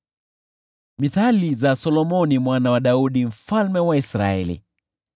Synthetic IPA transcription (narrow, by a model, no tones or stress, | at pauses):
miθalizasɔlɔmɔnimwanawaɗauɗim̩falmɛwaisɾa̰ɛ̰lḭ